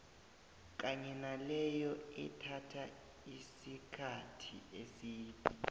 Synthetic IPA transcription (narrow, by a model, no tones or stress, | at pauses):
k̬ʼaɲɛnalɛjɔɛtʰatʰa | isikʰatʰḭesiːtʰʼi